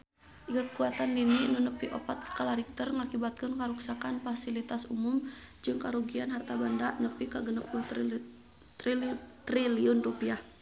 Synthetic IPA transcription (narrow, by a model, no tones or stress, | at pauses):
ʔikət̪̚kuat̪anininunəpiʔo̰pat̪̚sə̥kalaɾik̚t̪ərŋakibat̪̚kənkaɾuksakanfasilit̪asumumd͡ʒɨŋkaɾuɡianɦart̪abandanəpikaɡənəpu | t̪rilt̪ɾiliʊnrupiah